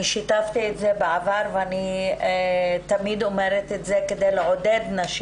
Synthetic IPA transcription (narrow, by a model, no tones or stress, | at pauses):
iʃit̪aft̪ietzebeavaʁveani | t̪amid̪o̞meʁet̪etzeked̪ejleʕo̞d̪ed̪naʃ